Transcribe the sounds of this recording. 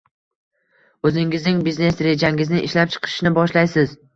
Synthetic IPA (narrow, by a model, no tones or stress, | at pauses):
ɵzɪŋɪznɪŋbizne̞sɾe̞d͡ʒaŋɡʲɪznɪʔɪʃlap̚t͡ʃʰɨ̥qʰɨ̥ʃnɪbɒʃlajsɪz